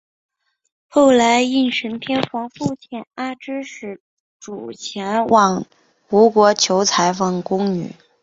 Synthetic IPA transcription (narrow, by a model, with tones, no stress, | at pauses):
xo˥˩ʊla˧˥ɪi˥˩nʂə˧˥npʰjɛ˥nxwɑ˧˥ŋfu˥˧t͡ɕʰjɛ˥˩na˥˩ʈ͡ʂɻ̩˥ʂɻ̩˧˩ | ʈ͡ʂu˨˩t͡ɕʰjɛ˧˥nwʔɑ˥˩ŋ | u˧˥kwɔ˧˥t͡ɕʰjo˧˥ʊt͡sʰa˧˥ɪfɑ˥˩ŋkʊ˥ŋny̰˨˩˦